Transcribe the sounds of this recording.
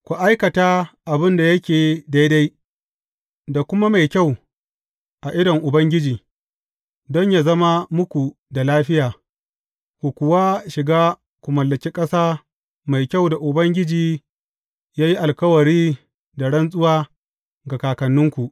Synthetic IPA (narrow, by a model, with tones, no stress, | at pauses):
kʷu˨ʔa˦jkɐ˨taː˦ʔa˨bɪ˦nda˨jɐ˦kʲeː˨da˦jda˦j | da˨kʷʊ˦ma˦ma˨jkʲa˦˨w | ʔa˨ʔɪ˦dɐ˨ŋʔʊ˨bɐ˦ŋɡʲɪ˦d͡ʒiː˨ | dɔ˦ɲjaː˨zɐ˦ma˦mʊ˦kʷu˨da˨laː˦ɸɪ˦jaː˨ | kʷu˨kʷʊ˨waː˦ʃɪ˨ɡaː˦ | kʷu˨mɐ˨lːɐ˨kʲiː˦kʼɐ˦saː˦ | ma˨jkʲa˦wda˨ʔʊ˨bɐ˦ŋɡʲɪ˦d͡ʒiː˨ | jaː˦ji˦ʔa˨lkɐ˦wɐ˨ɽiː˦ | da˨ɽɐ˦nsʼʊ˦waː˦ | ɡa˨kaː˨kɐ˨nːʊ˦ŋkʷu˨ʔ